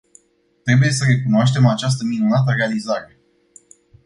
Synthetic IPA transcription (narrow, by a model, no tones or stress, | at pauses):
t̪ɾe̞buje̞səɾe̞kunoaʃt̪e̞mat͡ʃas̬t̪əminunat̪əre̞alizaɾe̞